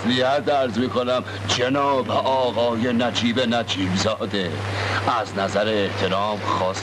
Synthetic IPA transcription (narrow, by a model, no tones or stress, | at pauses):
slihæd̪æɾzmiːkʰonæm | d͡ʒenɒːbeʔɒːɣɒːjenæd͡ʒiːbenæd͡ʒiːbzɒːd̪e | ʔæznæzæɾeːht̪ʰe̞ɾɒːmxɒːs